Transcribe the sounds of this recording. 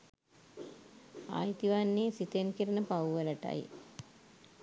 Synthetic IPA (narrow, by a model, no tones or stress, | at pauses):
a̰ːjt̪iʋaːnːiːsit̪enkiɾɐnɐpɐwʋɐlɐʈa̰jḭ